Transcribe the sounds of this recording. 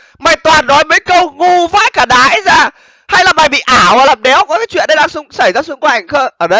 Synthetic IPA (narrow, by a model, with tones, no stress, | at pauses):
maː˨˩jt̪waː˨˩nːɔ˨˦jmə˨˦jkə˧wŋu˧˩va̰ː˧˥jkaː˧˩ɗa̰ː˧˥˦jzaː˧˩ | ha˧jlaː˨˩ɓaː˨˩jɓḭ˧˨ʔaː˧˩wlaː˨˩ɗɛ˨˦wkɔ˨˦kaː˨˦jt͡ɕwḭ˧˨nɗə˧jɗaː˧ŋsʊ˧ŋ͡msa˧˩jzaː˧sɨ˧ŋkwa˨˩ŋ̟xəː˧ʔəː˧˩ɗə˧j